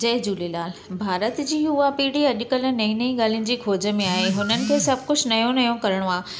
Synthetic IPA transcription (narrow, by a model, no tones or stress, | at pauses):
d͡ʑɐɦd͡ʑuːlilaːlbʱaːɾət̪d͡ʑiːʊɦapiːɽiɐʄʊkəlnɐĩnɐĩɠaːl̤iʊnɪ̆d͡ʑiːkʰoːd͡ʑə̆mẽaːɦeɦʊnənɪ̆kʰeːsɐbʱkʊt͡ɕʰnɐjõnɐjõkɐɾəɽ̃oaː